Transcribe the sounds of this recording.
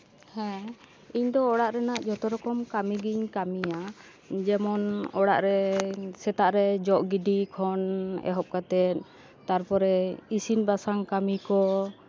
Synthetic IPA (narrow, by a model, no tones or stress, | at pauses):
hɛ̃ | iɲd̪ɔːɽaʔɾɛnaʔd͡ʒɔt̪ɔɾɔkɔmkamiɡiɲkamija | d͡ʒɛmɔnɔɽa̰ʔɾɛsɛt̪aʔɾɛd͡ʒɔʔɡiɖikʰɔnɛ̰ɦɔp̚kat̪ɛt̪̚ | t̪aɾpɔɾɛisinbasaŋkamikɔ